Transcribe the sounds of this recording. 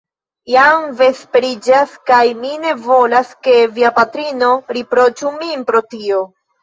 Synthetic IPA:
jamve̞speɾid͡ʒaskajmine̞vo̞laske̞viapatɾino̞ɾipɾo̞t͡ʃuminpɾo̞tio̞

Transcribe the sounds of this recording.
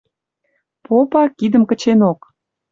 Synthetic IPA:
popɑkid̪əmkə̆t͡ɕenok

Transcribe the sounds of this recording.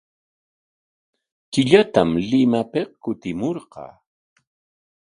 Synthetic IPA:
kɪʎat̪amlɪmapeqkʊt̪ɪmoɾqɑ̰ː

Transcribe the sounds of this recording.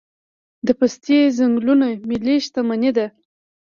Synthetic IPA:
d̪əpast̪jezaŋɡlunamiliʃt̪amaned̪a

